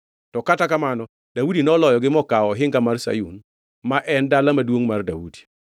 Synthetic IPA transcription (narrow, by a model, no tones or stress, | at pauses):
tɔkatakamanɔ | d̥audinɔlɔjɔɡɪmɔkaɔɦɪŋkamarsa̰jun | maʔɛndalamadwoŋmardaudi̥